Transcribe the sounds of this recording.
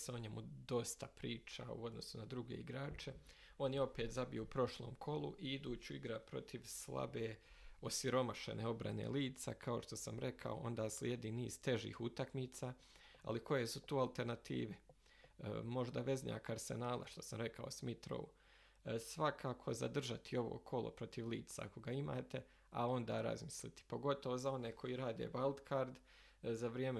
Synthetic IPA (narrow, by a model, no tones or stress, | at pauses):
seoɲemud̪o̞st̪apɾiːt͡ʃa̰ṵo̞d̪no̞sunad̪ɾuɡe̞̰iɡɾaːt͡ʃe̞ | o̞ːnjeo̞peːt̪zabijuupɾo̞ʃlo̞ːmkʰo̞lṵʔiid̪uːt͡ɕuiɡɾapɾo̞̰t̪ʰiʋslˠa̰beː | o̞siɾo̞maʃe̞̰neːo̞bɾa̰ne̞̰ːliːt̪sa̰kʰao̞ʃt̪o̞samɾe̞kʰa̰o̞̰ʔo̞nd̪aːslʲjed̪iːniːz̥t̪e̞ʒḭːhut̪akmiːt̪saː | a̰likʰo̞je̞sut̪uːalˠt̪e̞ɾnat̪ḭːʋe | mo̞ʒd̪aʋe̞zɲa̰ːkaɾsḛnaːlˠʔa̰ʃt̪o̞samɾe̞kʰao̞smit̪ɾo̰u | sʋakʰaːkʰo̞za̰d̪r̩ʒat̪ʰio̞ʋo̞̰ːkʰo̞lˠo̞̰pɾo̞t̪iʋliːt̪t̪saako̞ɡaima̰ːt̪e̞ | ao̞nd̪aːɾa̰zmislit̪i̥po̞ɡo̞t̪o̞ʋo̞zao̞neːkʰo̞jiɾaːd̪e̞̰ːbalˠd̪kʰaɾd̪ | zaʋɾijeme